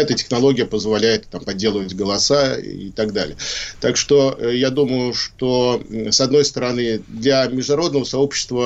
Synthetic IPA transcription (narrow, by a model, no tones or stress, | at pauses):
ɛt̪ətʲɪ̥xnɐlˠo̞ɡʲɪjəpəzvɐlʲæjɪt̪t̪ampɐdʲːe̞lˠəvətʲɡəlˠɐsaḭt̪ɐɡd̪a̰lʲɪ̰jət̪akʂt̪o̞jad̪umʊjʊʂt̪o̞sɐd̪nojst̪əɾɐnɨd̪lʲamʲɪʐdʊnɐɾo̞d̪nəvəsɐo̞pɕːɪ̥st̪və